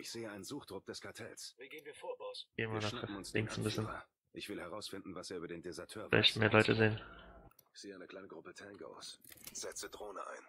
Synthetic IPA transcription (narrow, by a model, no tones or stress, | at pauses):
ʔɪçz̥eːəaɪnnzuːxd̥ʁʊp̚d̥ɛskʰaɐtʰɛ̰lsviɡ̥eːnviːɐfo̥eːmanaχmʊnslɪ̰ŋksn̩bɪsən | ʔɪçv̥ɪlhɛʁaʊsfɪndn̩vaseːɐyːbɐdeːndezɛɐtʰøːɐvɛ̰çtmeːɐlɔʏtəzeːən | ɪçz̥eːəaɪnəkʰl̥aɪnəɡʁʊpətʰɛnɡo̰ʊsz̥ɛt͡sədʁoːnəʔa̰ɪn